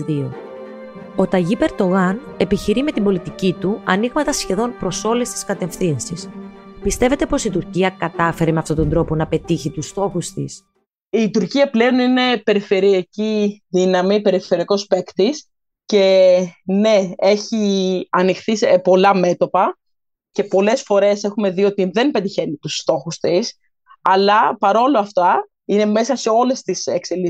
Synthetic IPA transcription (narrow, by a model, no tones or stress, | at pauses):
io | o̞t̪ɐʝipe̞ɾd̪o̞ɣɐn | e̞piçiɾime̞t̪imbo̞lit̪icit̪uɐniɣmɐt̪ɐsçe̞ðo̞npɾo̞so̞le̞st̪i̥skɐt̪e̞fθinsispist̪e̞ve̞t̪e̞po̞sit̪uɾciɐkɐt̪ɐfe̞ɾeme̞ɐft̪ot̪o̞nd̪ɾo̞po̞nɐpe̞t̪içit̪ust̪o̞xust̪ḭs | it̪uɾciɐple̞o̞nine̞pe̞ɾife̞ɾiɐciðinɐmipe̞ɾife̞ɾiɐko̞spe̞kt̪is | ce̞ne̞e̞çiɐnixθisepo̞lɐme̞t̪o̞pɐ | ce̞po̞le̞sfo̞ɾe̞se̞xume̞ðio̞t̪iðe̞npet̪içe̞nit̪ust̪o̞xust̪is | ɐlɐpɐɾo̞loɐft̪ɐ | ine̞me̞sɐse̞o̞le̞st̪isekseli